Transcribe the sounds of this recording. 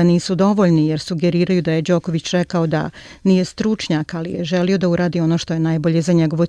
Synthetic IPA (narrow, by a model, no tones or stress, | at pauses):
niːsud̪o̞ʋo̞ʎnijeɾsuɡeɾiːɾajud̪ajed͡ʒo̞koʋit͡ɕɾɛkaod̪a̰ | nije̞st̪ɾut͡ʃɲakalḭjeʒelio̞d̪auɾaːd̪io̞noʃt̪o̞jenajbo̞ʎe̞zaɲeɡo̞ʋo